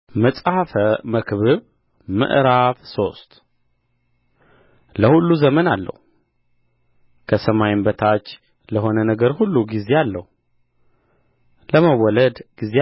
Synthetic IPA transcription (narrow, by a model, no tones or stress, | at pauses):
məsʼaafəməkʰβɨβ | mɨ̰ʔɾaβso̞st̪ | ləhulːuzəmənalːə̰hu | kʰəsəmajmbət̪ʰat͡ʃː | ləɦo̞nənəɡəɾhulːuɡize̞alːəhu | ləməwɔləd̪ɡize